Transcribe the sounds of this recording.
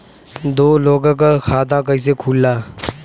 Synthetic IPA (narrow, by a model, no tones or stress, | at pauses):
d̪oːloːɡãk̬axʰaːd̪aːk̬əis̬ekʰuːlːaː